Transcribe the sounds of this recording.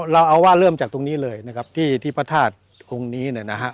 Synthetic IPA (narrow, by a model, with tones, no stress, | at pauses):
ɾa˧wʔa˧wwaː˥˩lɤː˥˩mt͡ɕaː˨˩k̚t̪o˧ŋniː˦˥lɤː˧jna˦˥kʰa˦˥p̚t̪ʰiː˥˩t̪ʰiː˥˩pʰa˧t̪ʰaː˥˩t̪̚ | ʔo˧ŋniː˦˥n˧˩na˦˥kʰa˦˥ʔ